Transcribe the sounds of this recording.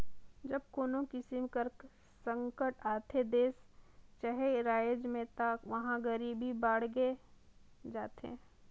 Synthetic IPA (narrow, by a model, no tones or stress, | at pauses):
d͡ʒɐb̚koːnõkɪsimkəɾk | sə̃ŋkəʈaːt̪ʰed̪eːst͡ʃaɦeɾaːjd͡ʒmẽt̪əkʋɐɦãɡəɾibʱibaːɽ̤ɡe | d͡ʒaːt̪ḛ̃